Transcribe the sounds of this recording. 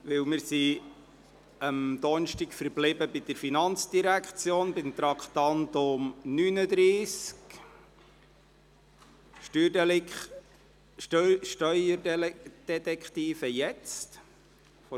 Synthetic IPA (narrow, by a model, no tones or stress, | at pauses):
ʋɪwmɪɾsi | əmd̪ɔnʃtikfəɾblɪbəbɪd̥̪əɾfinɑnt͡sd̥iɾækχt͡sjoːnbɪmt̪ɾɑkχt̪ɑnt̪ʊmnynəd̪ɾiːsk | y | ʃtœjəd̥ɛt̪ɛkχt̪iːfəjɛt͡st | fɔ